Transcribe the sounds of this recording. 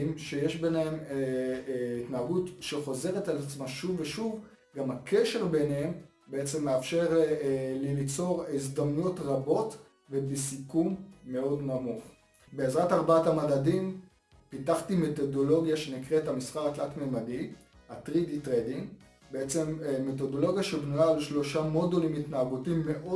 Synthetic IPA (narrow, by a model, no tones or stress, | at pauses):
mʃejeʃbenehem | itnaaɡutʃeχo̞ze̞ʁetalat͡smaʃuvːeʃuv | ɡamakʰe̞ʃe̞ʁbe̞nem | beet͡se̞mːeafʃe̞ʁlilit͡so̞ʁis̬damnujo̞tʁabo̞t | vebisikumːe̞o̞dnamuχ | be̞ːzʁataʁbaatamadadim | pitaχtime̞to̞do̞lo̞ɡjaʃe̞nikʁethamisχaʁatlatmelmadi | atʁiditʁediŋɡ | beet͡se̞mːet̬o̞do̞lo̞ɡjaʃebnujaːlʃlo̞ʃamo̞dulimitnaaɡutimːe̞ʔo